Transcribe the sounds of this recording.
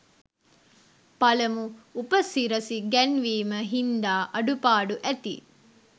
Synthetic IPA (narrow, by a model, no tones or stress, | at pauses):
pɐlɐmuupɐsiɾɐsiɡɛnʋiːmɐɦind̪aːʔɐɖupaːɖuʔæt̪ḭ